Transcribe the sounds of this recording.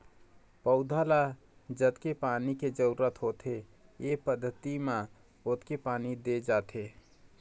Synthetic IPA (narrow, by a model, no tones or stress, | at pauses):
pəʊd̪ʱala | d͡ʒət̪kepaːniked͡ʒəuɾət̪ʰɦot̪ʰe | jepəd̪ʱːət̪imã | ot̪kepaːnid̪ed͡ʒaːt̪ʰe